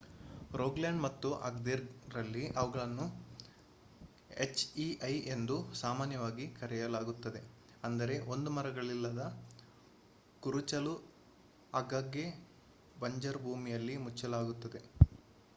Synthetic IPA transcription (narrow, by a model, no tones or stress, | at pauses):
ɾoːɡlaɳɖmɐt̪ːuʔɐ̰ɡ̚d̪iɾɾɐlːiʔɐʋɐɡɐɭɐnːu | e̞t͡ʃːiɐje̞nd̪usaːmaːnjɐʋaːɡikɐɾɛjɐlaːɡut̪ːɐd̪e | ɐnd̪ɐɾe̞ʔo̞nd̪umɐɾɐɡɐɭilːɐd̪ɐ | kuɾut͡ʃɐlu | aːɡaːɡːe | bɐɲd͡ʒɐɾbʱuːmijɐlːimut͡ʃːɐlaːɡut̪ːɐd̪e̞